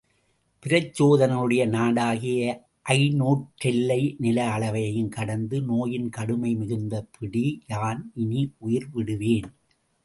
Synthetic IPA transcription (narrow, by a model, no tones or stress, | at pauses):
pɪɾɐt͡ʃːoːðɐnɐɯɽɐjɐnaːɽaːɣɪjɐ | ʔɐɪnoːʈ̚ʈːt͡ʃɛlːɐɪnɪlɐɐɭɐʋɐjɐjɯmkɐɽɐnd̪ɯnoːjɪnkɐɽɯmɐɪmɪɣɯnd̪ɐpʰɪɽijaːnɪniʔʊjɪɾʋɪɽɯʋeːn